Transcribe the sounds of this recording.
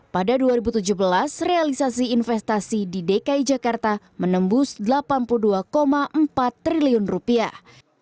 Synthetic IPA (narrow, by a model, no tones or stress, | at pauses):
padaduaɾibut̪ud͡ʒuhbəlasrealisasiːnfɛst̪asididekaid͡ʒakart̪a | mənəmbʊsdəlapanpuluduakomaʔəmpat̪ːɾiliʊnrupia